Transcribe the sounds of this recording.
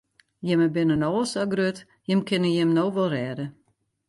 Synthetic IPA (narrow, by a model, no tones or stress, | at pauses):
jɪməbɪnənoːlˠsaɡrøt | jɪmkʰɪnəjɪmnoːʋɔlˠrɛːdə